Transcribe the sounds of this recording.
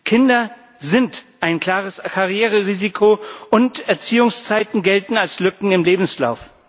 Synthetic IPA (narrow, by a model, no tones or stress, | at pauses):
kʰɪndɐ | zɪntʔaɪnkl̥aːʁəskʰaʁjeːʁəʁiːzikʰoʊntɛɐt͡siːʊŋst͡saɪtn̩ɡɛltn̩alslʏkŋ̩ɪmleːbm̩sla̰ʊf